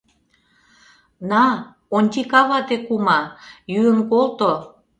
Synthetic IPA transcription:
nɑ | onʲt̪ʲikɑβɑt̪ekumɑjyənkolt̪o

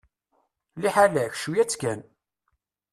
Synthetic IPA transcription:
liħalæçʃujæt͡sːkæn

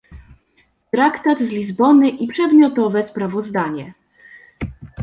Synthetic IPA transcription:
t̪ɾakt̪ad̪zlʲizbɔnɘʔipʂɛd̪mʲjɔt̪ɔvɛspɾavɔzd̪aɲɛ

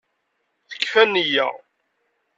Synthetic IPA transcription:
θə̥kːfænijæ̰

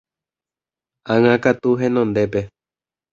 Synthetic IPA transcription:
ãŋãkat̪uɦẽnõnd̪epe

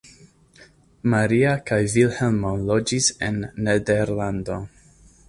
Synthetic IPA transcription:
maɾiakajvilhelmonlod͡ʒisḛnːedeɾlando̞

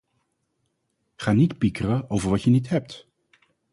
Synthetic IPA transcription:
χaːnitpikərəowvəɹʋɑtjənitɦɛp̚t

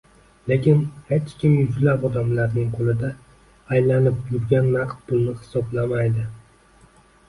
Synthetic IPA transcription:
lekʲɪnhet͡ʃkʲʰɪmjʊzlapɒd̪amlaɾnɪŋqʰolˠɪd̪aː | jlanɪpjʊɾɡʲanːɑqt̪̚pʊlˠnɪhɪ̥sɒblamajd̪ɪ

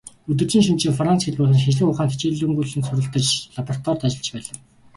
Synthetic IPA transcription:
ɵt̪̬ɵ̆rt͡ɕiːŋʃɵnt͡ɕiːŋfrant͡sxeɮpʊːtə̆nxeɮɘ̆kʊːχaːnt̪ʰe̥t͡ɕeːɮɵ̆ŋɡuːɮsɘ̆nsɵɾɘ̆ɬt̪ə̆t͡ɕɮapɔrat̪ʰwɔrt̪at͡ɕɪ̆ɮt͡ɕpæːɮə̆w

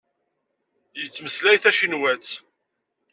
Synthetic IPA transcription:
jət͡sːməslæjθæʃinwæt͡s

